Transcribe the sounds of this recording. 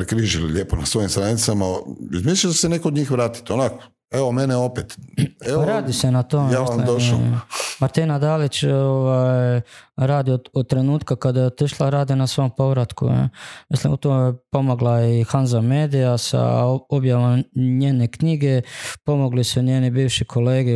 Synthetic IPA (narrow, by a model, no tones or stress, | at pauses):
pɾekɾiʒilḭʎʲeːponasʋo̞imst̪ɾanit̪samaizmislid̪asenekood̪ɲiːxʋɾaːt̪i̥t̪eonako̥ | eʋomeneo̞pet̪eɾaːd̪ise̞nat̪omejamːisllimd̪o | maɾt̪inad̪aːlit͡ʃoʋajɾaːd̪ioot̪ɾe̞nuːt̪kakad̪ajeot̪iʃlaɾaːd̪inasʋo̞jompo̞ʋɾat̪kṵḛmislḭmut̪omjepo̞moɡlaixanzameːd̪ijasa̰objaʋomɲe̞ːne̞kɲiɡepo̞mo̞ɡlisuɲeːnibiːʋʃikʰole̞ːɡe